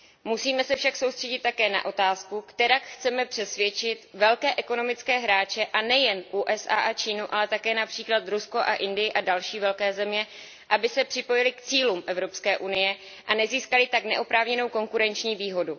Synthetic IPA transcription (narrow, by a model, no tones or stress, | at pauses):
musiːmɛsɛfʃaksowst̪r̥ɛɟɪt̪ːakɛːna̰ʔo̞t̪aːskukt̪ɛɾakxt͡sɛmɛpr̥ɛsvjɛt͡ʃɪt̪vɛlkɛːʔɛko̞no̞mɪt͡skɛːɦɾaːt͡ʃɛʔanɛjɛnʔuːʔɛsʔa̰ːʔat͡ʃiːnuʔalɛt̪akɛːnapr̝̥iːklat̪ɾuskoʔaʔɪndɪjɪʔadalʃiːvɛlkɛːzɛmɲɛ | ʔabɪsɛpr̥ɪpo̞jɪlɪkt͡siːluːmʔɛvɾo̞pskɛːʔunɪjɛ | ʔanɛziːskalɪt̪aknɛ̰ʔopɾaːvɲɛno̞wko̞ŋkuɾɛnt͡ʃɲiːviːɦo̞du